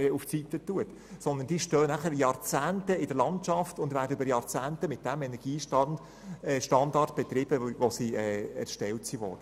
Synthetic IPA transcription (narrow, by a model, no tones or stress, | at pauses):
uft͡sit̪ətuət | sɔnd̪ənd̥iːʃtøːnæχəɾjɑːɾt͡sæːntəɪdəlɑnt͡ʃɑftʊndvæːɾdəybəɾjɑːɾt͡sæːntəmɪt̚d̥æmɛnɛɾɡ̥iːʃ | ʃtɑndɑrt̚b̥et̪ɾɪb̥əʋosiɛːɛ̰ɾʃtɛltsivɔ̰ːɾd̥ə